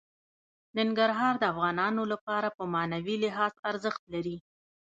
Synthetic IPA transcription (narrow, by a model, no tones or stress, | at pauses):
nɪŋɡaɾɦɑɾd̪əafɣɑnɑnolapɑɾapəmɑnawilɪɦɑzaɾzəxt̪laɾi